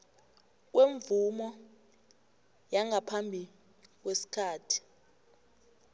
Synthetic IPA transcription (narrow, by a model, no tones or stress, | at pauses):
k̬weɱvumɔ | jaŋʱapʰambʱi | k̬wesi̥kʰaːtʰi̥